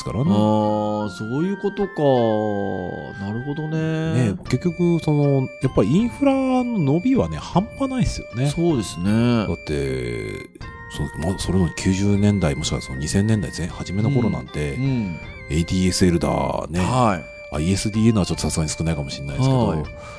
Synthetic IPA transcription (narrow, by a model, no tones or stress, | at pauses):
sɨ̥ka̰ɾanesoːjɯ̟ːko̞t̪oka | naɾɯ̟ho̞d̪o̞nene̞ke̞kʲːo̞kɯ̟so̞no̞japːaɾʲiĩɰ̃ɸɯ̟ɾano̞no̞bʲiβane̞hãmpanaisɨjo̞ne̞soːd̪e̞sɨned̪at̪ːe̞̰ | sonomasoɾenokʲʰɨːʑɨːnẽ̞nd̪aimo̞ɕi̥ka̰so̞no̰ɲ̟isẽ̞nːend̪a̰izẽhaʑime̞noko̞ɾo̞nã̰nt̪ẽ̞ | eit̪ʲiːesɨe̞ɾɯ̟d̪a̰ne̞ai | a̰ie̞sɨd̪ʲiːenat͡ɕo̞t̪ːo̞sasɨɡaɲ̟isɨ̥kɯ̟naikamo̞ɕinːaisked̪